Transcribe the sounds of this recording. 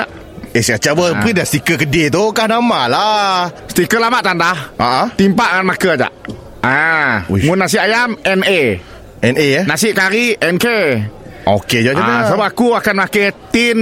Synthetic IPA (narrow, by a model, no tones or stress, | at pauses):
aʔ | esat͡ʃabəsəmpidast̪ikəkədit̪ukahnamalasət̪ikəlamaʔt̪andahaʔət̪impaʔŋanmakəd͡ʒa̰ʔ | amʊnːas̬ɪʔajamɛne | ɛnenasɪʔkaɾiɛnke | o̰ked͡ʒaaasabapakuakanmaket̪in